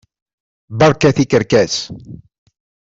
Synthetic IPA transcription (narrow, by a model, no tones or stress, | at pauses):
bɑɾˤkæθikəɾkæs